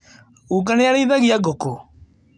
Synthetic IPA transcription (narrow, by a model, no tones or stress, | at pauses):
uk̬anɛjaɾeiðaɣiaɡɔkɔ